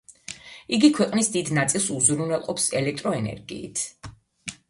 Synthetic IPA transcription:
iɡikʰwɛqʼnisd̪id̪nat̪sʼilˠsuzɾunɛlˠqʼɔpsɛlɛk̚ʰt̪ʼɾɔɛnɛ̰ɾɡḭːt̪ʰ

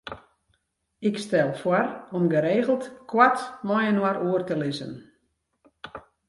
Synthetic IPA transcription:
ɪkstɛlˠfwɔrɔmɡəɾeːɣəlˠtkʰwatmɔjənwaɾuərtəlɪzə̰n

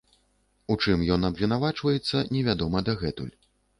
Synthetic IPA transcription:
ut͡ʂɨmjɔn̪ɐbʲɛnavat͡ʂvɐjɛt̪sːɐnʲɛvʲad̪ɔmɐd̪ɐɣɛt̪ṵlʲ

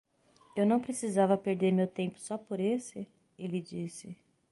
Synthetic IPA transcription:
ewnɐ̃w̃pɾesizavɐpeɾd̪eɾmewt̪ẽmpʊ̥sɔpoɾesɪ | elɪd͡ʒisɪ

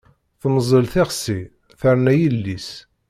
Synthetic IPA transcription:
θməzˤəlθeʁsi | θəɾnæjəlːis

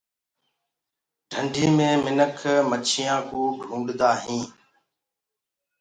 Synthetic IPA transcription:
ɖʱəɳɖʱiːmẽːmɪnəkʰmət͡ʃʰɪjãːkuːɡʱũːɠd̪aːɦĩː

